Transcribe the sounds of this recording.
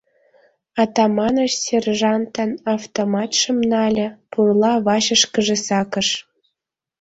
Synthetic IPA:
ɑt̪ɑmɑnɤ̆ʃsʲerʒɑnt̪ənɑft̪omɑt̪ʃɤ̆mnɑlʲĕpurlˠɑβɑɕə̆ʃkə̆ʒĕsɑkɤ̆ʃ

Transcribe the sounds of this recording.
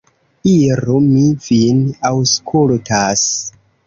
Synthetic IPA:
iɾumivinawskʰultʰas

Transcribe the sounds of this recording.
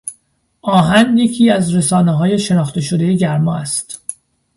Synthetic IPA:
ʔɒːɦænje̞cʰiːæzɾesɒːneɦɒːje̞ʃe̞nɒːxt̪e̞ʃod̪e̞jeɟæɾmɒ̰ːæst̪

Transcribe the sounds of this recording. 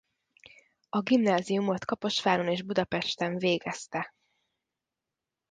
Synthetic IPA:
ɒɡimnaːzijumo̞t̪kɒpo̞ʃfaːɾoneːʒbud̪ɒpɛʃt̪ɛɱveːɡɛst̪ɛ

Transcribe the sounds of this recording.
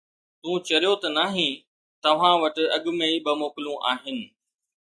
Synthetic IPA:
t̪ũːt͡ɕɐɾijot̪ɐnaːɦĩː | t̪ɐʋ̤ãʋɐʈɪ̆ɐɠʊ̆meiɓɐmoːkɪlũʔa̰ːɦɪnɪ̆

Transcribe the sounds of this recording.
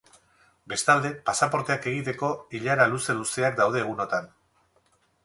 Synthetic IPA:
be̞st̪ald̪e̞pasapo̞ɾt̪e̞ake̞ɣ̞it̪e̞ko̞iʎaɾaluse̞luse̞akd̪awð̞e̞ːɣ̞uno̞t̪an

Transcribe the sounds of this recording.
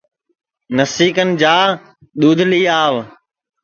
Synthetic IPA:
nəsiːkənɪ̆d͡ʑaː | ɗ̪uːd̪ʱliːaːʋ

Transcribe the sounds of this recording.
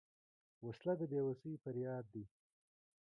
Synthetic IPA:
waslad̪əbewasijpəɾjɑːd̪̚ːi

